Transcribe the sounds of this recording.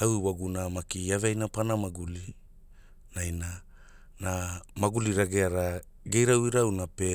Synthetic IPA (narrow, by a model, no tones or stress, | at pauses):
awiwaɡunamakiaveajnapanamaɡuli | najna | namaɡuliɾaɡeaɾa | ɡejɾawiɾawnape